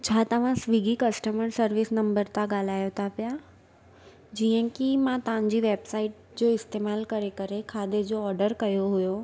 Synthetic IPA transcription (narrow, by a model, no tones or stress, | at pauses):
t͡ɕʰaːt̪ɐʋ̤ãsʋiɡikɐsʈəməɾsɐɾʋɪsnɐ̃mbəɾt̪ʰaɡaːl̤aːjot̪ʰapija | d͡ʑiːə̃kimãt̪ɐʋ̤ãɲ̆d͡ʑiːʋeːbsaːɪʈ̚d͡ʑoːɪst̪eːmaːlkɐɾekɐɾekʰaːd̪ed͡ʑoɔːɾɖəɾkɐjoɦʊjo